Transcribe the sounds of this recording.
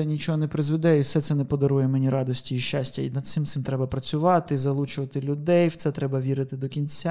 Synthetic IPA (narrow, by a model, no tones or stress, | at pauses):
ɛnʲit͡ʃɔɦɔnɛpɾɪzʋɪd̪ɛiwsɛt̪sɛnɛpɔd̪ɐɾujɛmɛnʲiɾɑd̪ɔsʲtʲiːʃʲt͡ʃasʲtʲɐinɐd̪t̪sɪmt̪sɪmt̪ɾɛbɐpɾɐt͡sʲʊʋɑt̪ɪzɐlˠut͡ʃʊʋɐt̪ɪlʲʊd̪ɛjwt̪sɛt̪ɾɛbɐʋʲiɾɪt̪ɪd̪ɔkʲinʲt͡sʲa